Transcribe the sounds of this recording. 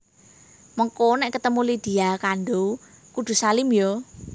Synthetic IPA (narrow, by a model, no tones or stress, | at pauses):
məŋkonɛʔkət̪əmulid̪̥i̤akanɖo | kud̪̥ṳsalimjo